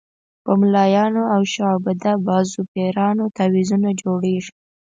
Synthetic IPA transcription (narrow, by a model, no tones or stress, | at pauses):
pəmlɑjɑnoawʃɑbad̪abɑzupeɾɑnot̪awizunad͡ʒoɽeʐi